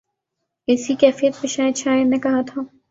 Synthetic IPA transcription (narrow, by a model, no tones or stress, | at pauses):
ɪsikɛːfijət̪̚pẽʃaːɪd̪ʃaːɪɾnekɐɦat̪ʰaː